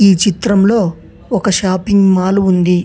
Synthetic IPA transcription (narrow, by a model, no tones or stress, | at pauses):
iːt͡ʃit̪ɾɐmlo̞ː | ɔkɐʃaːpiŋɡmaːluund̪i